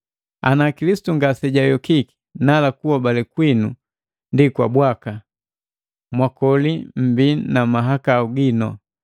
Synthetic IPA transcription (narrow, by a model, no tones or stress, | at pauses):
a̰nakilisi̥tuŋɡasɛɟajɔkiki̥ | nalakuwabalɛkwinu | ndikwabwaka | mwakɔlim̩binamaɦakauɡinɔ̰